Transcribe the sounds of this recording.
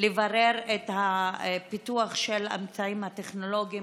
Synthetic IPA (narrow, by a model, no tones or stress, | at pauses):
levaʁeʁethapituaχʃela̰mt͡saimhateχno̞lo̞ɡi